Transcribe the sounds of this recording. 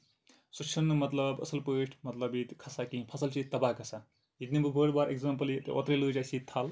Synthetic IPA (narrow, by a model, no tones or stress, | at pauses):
sut͡ʃʰunːɨmɐt̪lɐbɐ̰sɐlpəːʂʈʰmɐt̪lɐbit̪kʰɐsakĩpʰɐsɐlt͡ʃʰit̪ɐbaːkʰɐsa | ɦid̪̚nibɨbəːɽbaɾʔeɡzaːmpɐlit̪ʔɔ̰t̪ɾelɨːd͡ʒasit̪ʰɐl